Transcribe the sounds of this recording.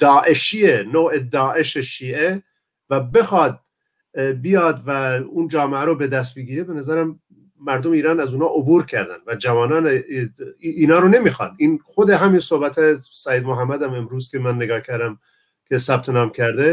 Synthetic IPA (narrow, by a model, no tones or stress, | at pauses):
d̪̥ɒːʔeʃiːenoːed̪ɒːʔe̞ʃeʃiːe | væbexɑːd̪̚ | bijɑːd̪væund͡ʒɒːmeæɾobed̪æst̪̚biɡiːɾebenæzæɾæmː | æɾd̪omeiːɾɑːnæzuːnɑːʔobuːɾkʰæɾd̪æ̰nvæd͡ʒævɒːnɑːne | iːnɒːɾone̞miːxɑ̰niːnxod̪eɦæmiːnsohbæt̪ʰɑjesæjeːd̪moɦæmːæd̪æmemɾuːzkʲʰemænːeɡɒːhkʰæɾd̪æm | kʲʰesæb̚t̪ʰenɑːmcʰæɾd̪e